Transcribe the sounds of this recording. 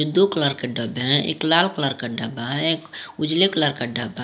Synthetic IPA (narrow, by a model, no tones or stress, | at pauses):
od̪oklaɾkeɖəbɦɛ̃ḛːklalklaɾkaɖabaekʊd͡ʒleklaɾkaɖəba